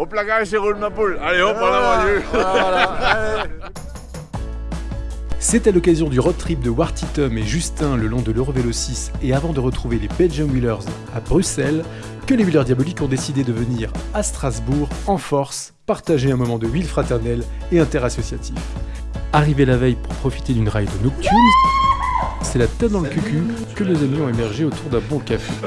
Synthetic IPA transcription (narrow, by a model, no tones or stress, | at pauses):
ɔ̃plakaʒeʁulmãpolaleɔ̃alamɔ̃ø | set̪ɛlɔkazjɔ̃d̪yʁɔt̪χip̚d̪əwaʁt̪it̪ɔmeʒyst̪ɛ̃ləlɔ̃d̪əløʁovelosiseavɑ̃d̪əʁət̪χuvelebɛlʒɔmwilœʁz | abʁysɛl | kəlewilœʁd̪jabɔlikɔ̃d̪esid̪ed̪əvəniʁast̪χazbuʁɑ̃fɔʁs | paʁt̪aʒeɛ̃mɔmɑ̃d̪əwilfχat̪ɛʁnɛl | eɛ̃t̪ɛʁasɔsjat̪ʰif | aʁivelavɛjpuʁpχɔfi̥t̪ed̪ynʁajd̪ənɔk̚t̪yʁn | sɛlat̪ɛd̪ɑ̃ləkʲykʲʰy | kənuzɛmjɔ̃emɛʁʒeot̪uʁd̪ɛ̃bɔ̃kafḛ